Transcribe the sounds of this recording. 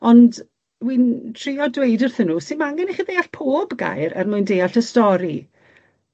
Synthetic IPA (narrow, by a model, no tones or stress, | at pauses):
ɔnd | wintʰriɔdwejdərθənːuːsɪnmaŋɡɛniχiðejaɬpʰoːbɡa̰jɾɛ̰rmʊjndejaɬəstɔɾi